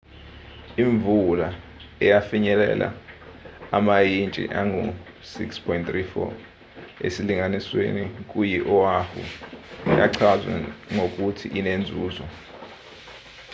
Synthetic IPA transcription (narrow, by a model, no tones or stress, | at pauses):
iɱvula | ɛjafiɲɛlɛ̰la̰ | amajint͡ʃʼḭʔaŋusikspʰɔintθrifɔ̰ | ḛsiliŋaniswḛnik̬ʼujiʔɔwaxṵja̰ǀʰazwɛ̰ŋok̬ʼutʰḭʔinend͡zʱuːzɔ